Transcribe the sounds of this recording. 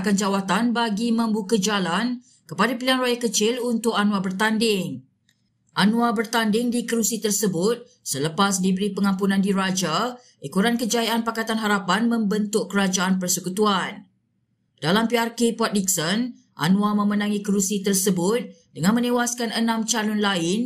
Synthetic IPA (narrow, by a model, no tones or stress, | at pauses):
kand͡ʒawat̪anbaɡimə̃mbukəd͡ʒalan | kəpadapilianrajakət͡ʃɪlunt̪ʊkanwabərt̪andɪŋ | ʔanw̃abərt̪andɪŋdikəɾusit̪ərsəbʊt̪̚ | sələpas̬dibəɾipəŋãmpunãndiɾad͡ʒa | ʔikuɾankəd͡ʒajaʔanpakat̪anɦaɾapanmə̃mbənt̪ʊkkəɾad͡ʒaanpərsəkut̪uan | d̥alampiarkepɔt̪̚liksən | ʔa̰nw̃amə̃mənãŋikəɾusit̪ərsəbʊt̪̚dəŋanmə̃nẽwaskanənãmt͡ʃalʊnlaɪn